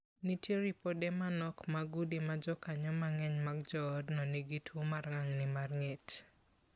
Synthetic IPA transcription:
nitjeɾipodemanɔkmaɡudimad͡ʒɔkaɲɔmaŋɛɲmaɡd͡ʒɔdnɔneɡitʰomarŋaŋnɪmarŋɛt

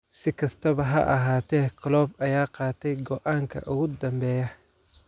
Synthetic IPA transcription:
sɪkʰɐst̪ʰɐβɐɦɐ̰ʔɐɦaːt̪ʰɛːkʰɐlɔːbɐjaːqɑːt̪ʰɛjɡɔʔaːŋkʰɐ̰ʔʊɣʊd̪ɐmbɛːjɐ

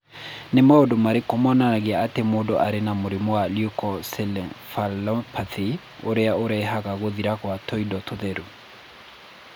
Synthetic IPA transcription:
nemaodomaɾekomɔnanaɣeaːtemodoʔaɾenamoɾimoaljukɔsɛlɛfalɔpʰaθi | o̰ɾeaoɾaɦaɣaɣoðiɾakwatɔidɔtʰoðeɾu

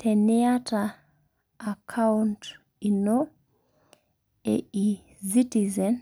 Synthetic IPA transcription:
tʰɛniataː | kʰaunt | ino | ɛ̰i | sitizɛn

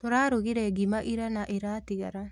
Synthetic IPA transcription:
toɾaːɾoɣiɾɛɡimaʔiɾanaʔeɾaːtiɣaɾa

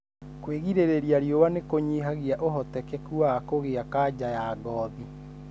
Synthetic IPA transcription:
kweɣiɾeɾeɾiaɾjowanekoɲiɦaɣiaʔoɦɔtɛkɛkuaːkoɣeakad͡ʑajaːɡɔːði

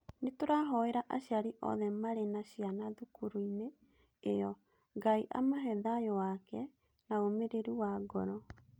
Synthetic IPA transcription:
netoɾaɦɔeɾaʔaɕjaɾiʔɔ̰ðɛmaɾenaɕijanaðukuɾuineː | jɔ | ŋɡaiʔa̰maɦɛðajɔwakɛ | naomeɾeɾuwaɡɔɾɔ

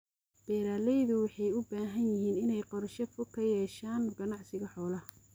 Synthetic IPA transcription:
b̥ɛːɾaːlɛjðʊwɑħɑjʊbaːɦɐnjɪɦiːnɪnɛjqɔɾʃɐfʊkʰɐjɛːʃaːnɡɐnɑʕsɪɣɐħɔːlɐ

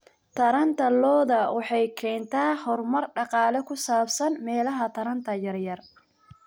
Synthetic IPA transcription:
t̪ʰɐɾɐnt̪ʰɐlɔːðɐwɑħɑjkʰɛːnt̪ʰaːhɔrmɐrɖɑqɑːlɛkʰʊsaːbsɐnmɛːlɐɦɐt̪ʰɐɾɐnt̪ʰɐjɐrjɐr

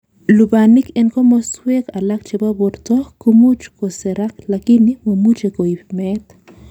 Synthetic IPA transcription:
lubanikenkomoswekalak̚t͡ʃibaboɾt̪okumut͡ʃkoseɾak̚lakinimomut͡ʃekoipmet̪

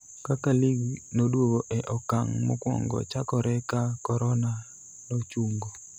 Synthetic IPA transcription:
kakaliɡnodwowoʔɛʔɔkaŋmo̰kwɔ̰ŋɡɔ̰t͡ʃakɔɾɛkakɔɾɔna | not͡ʃuŋɡo

